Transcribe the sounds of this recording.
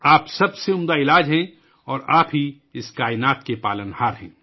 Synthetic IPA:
aːpsɐbseʊmd̪aɪlaːd͡ʒɦɛ̃ | ɔːɾaːpɦi | ɪskaːɪnaːt̪kepaːlənhaːɾɦɛ̰̃ː

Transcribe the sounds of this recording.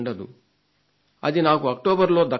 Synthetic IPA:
ɳɖɐd̪ṵ | ɐ̰d̪inaːkuɐk̚ʈoːbɐɾlo̞ːd̪ɐ

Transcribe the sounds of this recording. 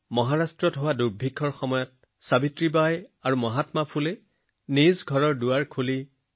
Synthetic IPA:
mɔɦaɹastɹɔtɦowaduɹbʱikʰːɔɹxɔmɔjɔt̚ | sabitɹibajaɹumɔɦatmapʰulɛ | nizɡʱɔɹɔɹduwaɹkʰuli

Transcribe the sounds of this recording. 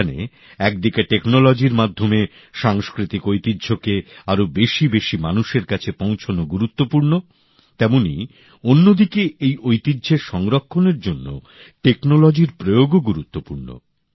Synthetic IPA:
anḛ | ɛk̚d̪ikeʈeknolɔd͡ʑiɾmad̪ʱːome | ʃaŋskɾit̪ikojt̪idːd͡ʑʱokeaɾobeʃibeʃimanuʃeɾkat͡ɕʰepõw̃t͡ɕʰonoɡuɾut̪ːopuɾno | t̪ɛmonḭ | onːod̪ikeejʔojt̪idːʑʱeɾʃɔŋɾokʰːoneɾd͡ʑonːo̰ | ʈeknolɔd͡ʑiɾpɾojoɡoɡuɾut̪ːopuɾno̰

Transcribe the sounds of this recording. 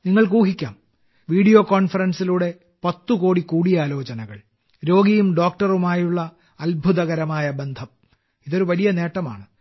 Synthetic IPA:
niŋːɐɭkuːɦikʲːa̰ːm | ʋiːɽijo̞ːko̞ːnfɐɾɐnsiluːɽe̞ | pɐt̪ːuko̞ːɽikuːɽijaːlo̞ːt͡ɕɐnɐɣɐ̰ɭ | ɾo̞ːɡijumɖo̞ːk̚ʈɐrumaːjuɭːɐː | lbʱuðɐɣɐɾɐmaːjɐbe̞nd̪ʱɐm | iðo̞ɾuʋɐlijɐne̞ːʈːɐma̰ːɳɨ

